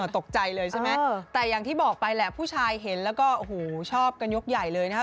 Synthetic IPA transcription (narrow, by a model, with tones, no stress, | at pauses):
t̪o˨˩k̚t͡ɕa˧jlɤː˧jt͡ɕʰa˥˩ma˦˥t̪ɛː˨˩jaː˨˩ŋt̪ʰiː˥˩bɔː˨˩k̚pa˧jlɛ˨˩pʰuː˥˩t͡ɕʰaː˧jɦe˩˦nlɛː˦˥wkɔː˥˩ʔo˧huː˨˩t͡ɕʰɔː˥˩p̚ka˧njo˦˥k̚jaː˨˩jlɤː˧jna˦˥kʰ